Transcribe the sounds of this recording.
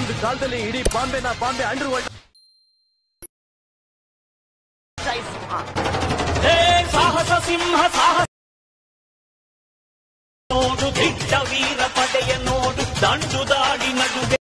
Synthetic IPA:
nd̪kaːld̪ɐlːiːɽipaːmbenɐpaːmbeɐɳɖɐɾʋɐɭʈ | t͡ʃaːjisimɦɐ | eːsaːɦɐsɐsimɦɐsaːɦɐ | oːɖud̪ʱiʈɐʋiːɾɐpɐʈɛjɐnoːɖud̪ʱɐɳd̪ʱud̪aːɽinɐd͡ʒu

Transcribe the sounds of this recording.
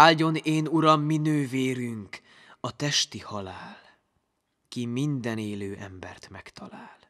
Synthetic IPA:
aːlɟo̞neːnuɾɒmːinøːveːɾyŋk | ɒt̪ɛʃt̪ihɒlaːl | kimind̪ɛneːløːʔɛmbɛ̰rt̪mɛkt̪ɒlaːl

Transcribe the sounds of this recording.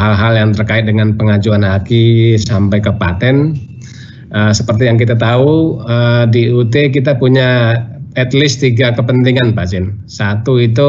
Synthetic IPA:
alɦaljaŋt̪ərkaɪt̪̚dəŋanpəŋad͡ʒuanɦakisampajkəpa̰t̪ɛn | əsəpərt̪ijaŋkit̪at̪auədiut̪ek̬it̪apuɲaɛt̪lɪst̪iɡakəpənt̪iŋanpad͡ʒɪn | sat̪uit̪̬u

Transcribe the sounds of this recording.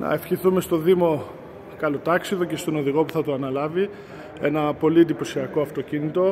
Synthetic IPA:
nɐ̰e̞fçiθume̞st̪o̞ðimo̞ | kɐlot̪ɐksiðo̞ce̞st̪o̞no̞ðiɣo̞puθɐt̪oɐnɐlɐvi | e̞nɐpo̞liend̪ipo̞siɐko̞ɐft̪o̞cinit̪o̞

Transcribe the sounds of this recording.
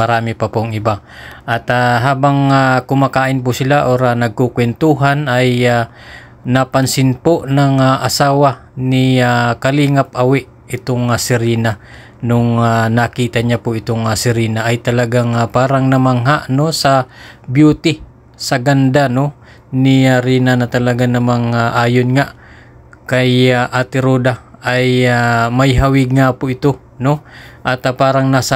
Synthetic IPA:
mɐɾaːmɪpapʊŋɪba | ʔat̪aɦaːbaŋakʊmakaːʔɪnp̬ʊsɪlaʔoɾanɐɡ̚kukwɛnt̪uɦanaja | napɐnsɪnpoʔnaŋaʔasaːwa | nɪakɐliːŋap̚ʔɐwɪʔ | ɪt̪oŋasɪɾiːna | noŋanakiːt̪aɲapoɪt̪oŋasɪɾiːnaʔːjt̪ɐlɐɡaŋapaːɾaŋnɐmaŋɦaʔnosɐbjuːt̪ɪ | sɐɡand̪ano̞ | nɪaɾiːnanɐt̪ɐlɐɡanɐmaŋaʔaːjonŋaʔ | kajaʔaːt̪ɪɾoːd̪aajamɐjɦawɪɡ̚ŋapʊʔɪt̪o | noʔɐt̪apaːɾɐŋnasa

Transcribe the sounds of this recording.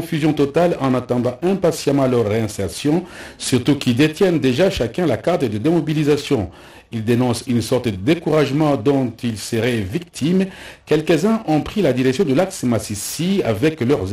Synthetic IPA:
fyzjɔ̃t̪ɔt̪alɑ̃nat̪ɑ̃d̪ɑ̃ʔɛ̃pasjamɑ̃lœʁːɛ̃sɛʁsjɔ̃syʁt̪ukild̪et̪jɛnd̪eʒaʃakɛ̃lakaʁt̪əd̪əd̪emɔbilizasjɔ̃ | ild̪enɔ̃synsɔʁt̪əd̪əd̪ekuʁaʒmɑ̃d̪ɔ̃t̪ilsəʁɛvik̚t̪ʰimkɛlkəzɛ̃ʔɔ̃pχilad̪iʁɛksjɔ̃d̪əlaksmasisiavɛklœʁ

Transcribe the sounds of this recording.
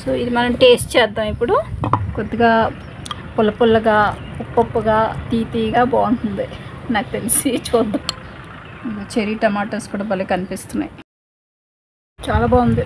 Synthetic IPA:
soːid̪imɐnɐmʈe̞ːsʈt͡ʃɛːd̪ːaːmipːuɽukod̪ːiɡaː | pulɐpulːɐɡaːpupːɐpːɐɡaːt̪iːpiːɡaːbaːuɳʈund̪inaːku̥t̪elisit͡ʃuːd̪ːɐm | ɐt͡ʃeɾiːʈɐmaːʈɐɾskuːɽaːbɐlːekkɐnipist̪unːa̰ji | t͡ʃaːlaːbaːund̪i

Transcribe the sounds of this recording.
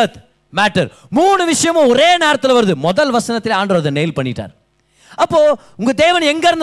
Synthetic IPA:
ɐt̪ | maːʈːɐɾ | muːɳɯʋɪʂɐjɐmʊ̃ɔɾeːneːɾɐt̪ːɪlʋɐɾɯðɯmɔðɐlʋɐsɐnɐt̪ːɪleaːɳɖɾɐʋɐðɐnɛːjlpɐɳːɪʈːa̰ːɾ | ɐpːoː | ʊŋɡɐd̪eːʋɐnɛŋɡɐɾɯnd̪

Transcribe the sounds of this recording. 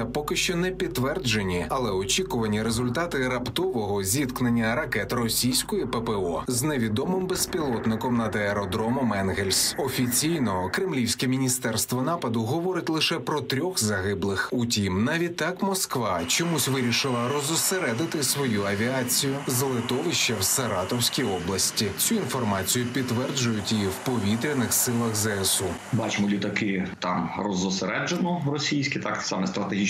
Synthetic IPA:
ɐpɔkɪʃt͡ʃɔnɛpʲid̪ːʋɛrd͡ʒenʲiɐlˠɛɔt͡ʃʲikʊʋɐnʲiɾezʊlʲt̪at̪ɪɾɐpt̪ɔʋɔɦɔzʲid̪knɐnʲːɐɾɐkɛt̪rɔsʲijsʲkɔjipɛpɛɔzneʋʲid̪ɔmɪmbespʲilˠɔt̪nɪkɔmnɐd̪ɐeɾɔd̪ɾɔmɔmɛnɦelʲsʲɔfʲit͡sʲijnɔkɾɪmlʲiwsʲkɛmʲinʲist̪ɛrst̪ʋɔnɑpɐd̪ʊɦɔʋɔɾɪtʲlˠɪʃɛpɾɔt̪ɾʲɔxzɐɦɪblˠɪxutʲimnɐʋʲit̪ːɑkmɔskʋɑt͡ʃɔmusʲʋɪɾʲiʃɪlˠɐɾɔzʊseɾɛd̪ɪt̪ɪsʋɔjuɐʋʲiɑt͡sʲijʊzɐlˠɪt̪ɔʋɪʃt͡ʃɐwsɐɾɑt̪ɔwsʲkʲijɔblˠɐsʲtʲit͡sʲuinfɔrmɑt͡sʲijʊpʲidt̪ːʋɛrd͡ʒʊjʊtʲiwpɔʋʲit̪ɾʲɪnɪxsɪlˠɐxzɛɛsubɑt͡ʃɪmɔlʲit̪ɐkɪt̪ɑ̰mrɔzɔseɾɛd͡ʒenɔrɔsʲijsʲkʲɪt̪ɑksɑmɛst̪ɾɐt̪eɦi

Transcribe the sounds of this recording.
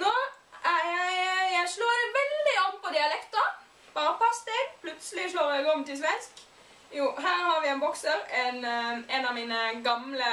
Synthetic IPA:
noː | æjjæɪʂloːd̪ɛʋɛld̪ɪɔmpɔd̪ɪɑlɛkt̪ʊ | b̥ɑːɾəpɑst̪eːɡpʰlʉt̪səlɪʂloːɾɛɡɔmt̪ɪls̬ʋɛnsk | juːɦæːɾhɑɾʋɪɛɪnbɔksəɾɛnɛnɑʋmiːnəɡɑmlə

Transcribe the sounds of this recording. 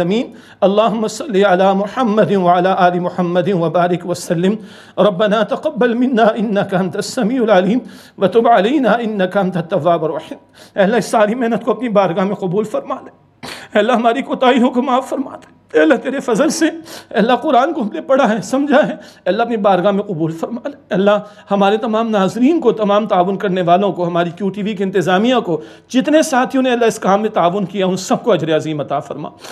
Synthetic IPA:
ɐmiːn | ɐlˤːaːɦʊmːasɐlːiʕɐlaːmʊħɐmːɐd̪ɪnʋɐʕɐlaːʔaːlimʊħɐmːɐd̪ɪnʋɐbaːɾɪkʋɐsɐlːɪm | ɾɐbːɐnaːt̪ɐqɐbːɐlmɪnːaːʔɪnːɐkɐɐ̃nt̪ɐsːɐmiːʊlʕɐliːm | ʋɐt̪ʊbʕɐlɐjnaːɪnːɐkɐɐ̃nt̪ɐt̪ːɐʋːaːbɐɾɐħiːm | ɛːɐlːaɦɪsaːɾimɛɦnət̪̚koɐpnibaːɾɡamẽqɐbuːlfɐɾmaːd̪e | ɛːlːaɦɐmaːɾikot̪aːijõkomaːfːɐɾma̰ːt̪e̥ | ɛːlːat̪eːɾefɐzəlseɛːlːaqʊɾaːnkoɦɐmlepɐɽaɦɛsɐmd͡ʒʱaɦɛɛːɐlːaɐpnibaːɾɡamẽqʊbuːlfɐɾmaːleɛːlːa | hɐmaːɾet̪ɐmaːmnaːzɾiːnkot̪ɐmaːmt̪aːʋʊnkɐɾneʋaːlõkoɦɐmaːɾikjuːʈiːʋikiɪ̃nt̪ɪzaːmijãko | d͡ʒɪt̪nesaːt̪ʰɦiʊneɛːlːaɪskaːmːẽt̪aːʋʊnkijaʊ̃nsɐb̚koɐd͡ʒɾeɐziːmɐt̪aːfɐ̰ɾma̰ː

